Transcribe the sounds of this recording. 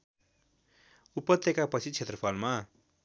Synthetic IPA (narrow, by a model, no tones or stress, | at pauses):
upʌt̪ːekapʌt͡sʰit͡sʰet̪rʌpʰalma